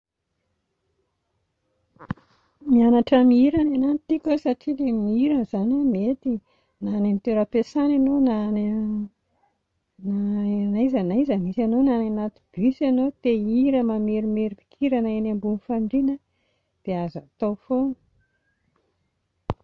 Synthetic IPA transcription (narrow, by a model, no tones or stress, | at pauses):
mianaʈ͡ʂamiiɾananant̪ikʲosaʈ͡ʂilemiiɾanzanamet̪i | nanamit̪eɾəpesananonan | nanazanazamisanonananat̪i̥b̥ysanot̪eiɾəmameɾimeɾipi̥kʰiɾanəenambunifaɳɳɖ͡ʐinə | d̪̥eazat̪ofon